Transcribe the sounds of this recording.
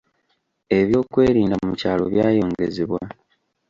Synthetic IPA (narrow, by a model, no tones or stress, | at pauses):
e̞βjo̞ːkwe̞ːɾiːndamumicaːlo̞̰βjaːjo̞ːŋɡe̞̰zeβwa